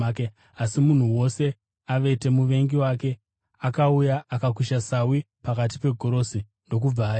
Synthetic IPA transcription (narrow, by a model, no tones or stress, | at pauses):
ke | asimun̤uwo̞se̞ | aʋe̞te̞muʋe̞ŋɡiwaːke̞ | akaujaʔːkakuʃasawi | pakat̬i̥pe̞ɡʱo̞ɾo̞si | ndo̞k̬ub͡vaːj